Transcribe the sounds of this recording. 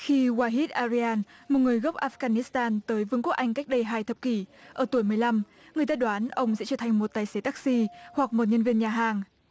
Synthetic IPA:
xi˧ɣwaː˧ɦi˦˥t̚ʔaː˧zi˧aː˧nmo˨˩t̚ŋɨ˨˩əjɣə˦˥p̚ʔaː˧˥fɣaː˧˩ni˦˥st̪aː˧nt̪əː˨˦jvɨ˨˦ŋku˦˥k̚ʔa˧jŋ̟ka˦˥jk̟̚ɗə˧jɦaː˧jt̪ʰə˨˩p̚ki˧˩ʔəː˧˩t̪u˧˩əjmɨ˨˩əjla˧m | ŋɨ˨˩əjt̪əː˧˩jɗwaː˨˦nʔə˧wŋ͡msɛ̰˧˥t͡ɕəː˧˩t̪ʰa˨˩ŋ̟mo˨˩t̚t̪aː˨˩jse˨˦t̪aː˦˥k̚si˧hwa˨˩k̚mo˨˩t̚ɲə˧nvi˧ənɲaː˨˩ɦaː˨˩ŋ

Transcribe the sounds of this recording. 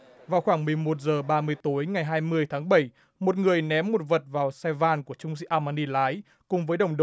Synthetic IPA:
vaː˨˩wxwaː˧˩ŋmɨ˨˩əjmo˨˩t̚zəː˨˩ɓaː˧mɨ˧əjt̪o˨˦jŋa˨˩jɦaː˧jmɨ˧əjt̪ʰaː˨˦ŋɓə˧˩j | mo˨˩t̚ŋɨ˨˩əjnɛ˨˦mːo˨˩t̚və˨˩t̚vaː˨˩wsɛ˧vaː˧nku˧˩ət͡ɕʊ˧ŋ͡msḭ˧˥ʔaː˧maː˧ni˧laː˨˦j | kʊ˨˩ŋ͡mvəː˨˦jɗə˨˧˩wŋ͡mɗ

